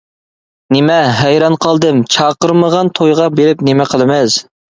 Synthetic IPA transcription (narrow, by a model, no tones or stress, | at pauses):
nɪmɛɦɛjɾɑnqʰɑlˠd̪ɨmt͡ʃʰɑːqəɾməʁɑnt̪ʰojʁɑbeɾɪpnɪmɛqʰəlˠɨmɛz̥